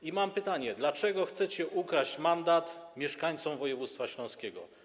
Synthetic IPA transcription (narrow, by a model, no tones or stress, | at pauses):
imampɘt̪aɲɛd̪lat͡ʂɛɡɔxt̪sɛt͡ɕɛʔukɾat͡ɕmand̪at̪mʲjɛʂkaɲt̪sɔmvɔjɛvut̪st̪faɕlɔ̃skʲɛɡɔ̰